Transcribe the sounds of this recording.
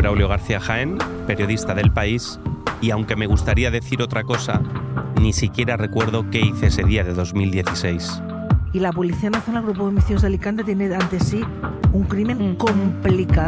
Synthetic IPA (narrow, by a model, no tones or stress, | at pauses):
ɾawljo̞ɣ̞aɾθiaxaempe̞ɾjoð̞ist̪aðe̞lpais | iawŋke̞me̞ɣ̞ust̪aɾiaðe̞θiɾo̞t̪ɾako̞sa̰nisikje̞ɾare̞kwe̞ɾðo̞ke̞iθeese̞ðiaðe̞ðo̞zmild̪je̞θise̞js | ilap̬oliθiaenaθjonalɣɾup̬oðomiθiozðalikant̪et̪eneant̪esi | uŋkɾimẽ̞ŋkomplika